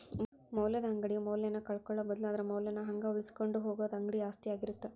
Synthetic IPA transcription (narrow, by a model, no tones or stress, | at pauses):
mɐwljɐd̪ɐɦɐŋɡɐɽijumɐwljɐnːɐkɐɭkɔɭːɐbɐd̪ɐluad̪ɐɾemɐwljɐnːɐɦɐŋɡɐuɭiskoɳɖuɦoːɡoːd̪ɐŋɡɐɽiaːst̪ijaːɡiɾut̪ːe